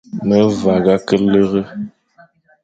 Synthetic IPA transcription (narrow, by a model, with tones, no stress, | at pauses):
mə˦va˨ɡa˦kə˦le˦ɣə˦